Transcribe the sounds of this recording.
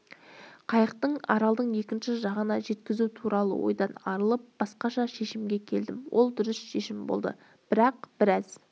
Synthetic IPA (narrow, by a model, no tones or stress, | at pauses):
qʰɑjəqt̪əɴɑ̰ɾɑlˠd̪əɴje̞kʲɪnʃɪʒɑʁənɑʒe̞t̪kʲɪzut̪ʰuɾɑlˠə̰wo̞̰jd̪ɑnɑɾəlˠəp̚b̥ɑsqɑʃɑʃe̞ʃɪmɡʲe̞kʲʰe̞ld̪ɪmwʔo̞̰lˠd̪ʏɾɪsʃe̞ʃɪmbo̞̰lˠd̪ə̰ | b̥ɪɾɑqb̥ɪɾɑz̥